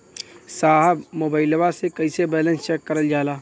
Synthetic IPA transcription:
saːɦəbmoːbaːɪlbasekɐɪsebɛːlə̃nst͡ʃɛkːɐɾəld͡ʒaːlaː

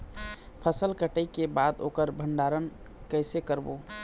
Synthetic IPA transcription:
pʰəsəlkəʈəjkebad̪okəɾbʱəɳɖaɾən | kəɪsekəɾbo

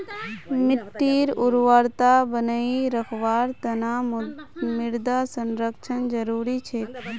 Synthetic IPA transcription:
mɪʈːiːɾʊɾʋaɾt̪abənəiɾəkʰʋaːɾt̪ɐnaː | mɪɾd̪aːsənɾəkt͡ʃʰənd͡ʒəɾuːɾit͡ʃʰe

